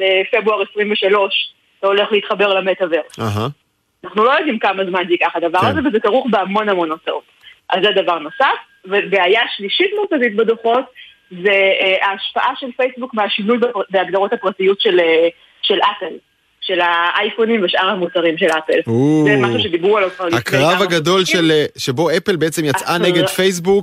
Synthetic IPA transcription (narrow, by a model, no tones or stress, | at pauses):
lefe̞bʁuaʁesʁimveʃalo̞ʃ | tao̞le̞χleit̪χabe̞ʁlametaveʁɦ | anaχnulojod̪imkamazmansikaχad̪avaʁazevezekaʁuχbeamo̞namo̞nott͡saʔo̞tʔazːed̪avaʁno̞saf | vebeajaʃliʃitmukazitbed̪oχo̞t | zeaːʃpaʔaʃelfejsbukmeaʃinujbebeaɡd̪aʁo̞thapʁatijutʃele | ʃe̞lʔapel | ʃe̞laʔajfonimveʃʔaʁhamut͡saʁimʃe̞lapeluzemaʃuʃed̪ibʁualokalakʁavaɡado̞lʃeleʃebo̞epelbeet͡semjat͡sʔaneɡedfejs̬buk